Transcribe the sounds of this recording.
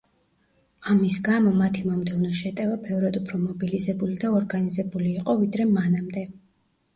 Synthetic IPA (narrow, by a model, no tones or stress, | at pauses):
amisɡamɔmat̪ʰimɔmd̪ɛvnɔʃɛt̪ʼɛvabɛvɾad̪upʰɾɔmɔbilizɛbulid̪aɔɾɡanizɛbuliːqʼɔvid̪ɾɛmanamd̪ɛ